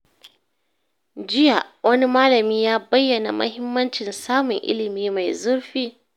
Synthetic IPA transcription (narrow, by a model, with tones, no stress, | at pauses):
d͡ʒɪ˦ja˨wʔɐ˦ni˦maː˦lɐ˨miː˦jaː˦bɐ˦jːɐ˨na̰˨mʔɐ̰˦hɪ˦mːɐ˦nt͡ʃɪ˨nsaː˦mʊ˨ŋʔɪ̰˦lɪ˨miː˦ma˨jzʊ˦ɽɸiː˦